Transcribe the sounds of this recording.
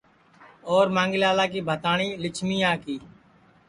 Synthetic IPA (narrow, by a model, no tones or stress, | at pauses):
oːɾmãːŋɡɪlaːlaːk̬iːbʱət̪aːɳiːlɪt͡ʃʰmiːãːkiː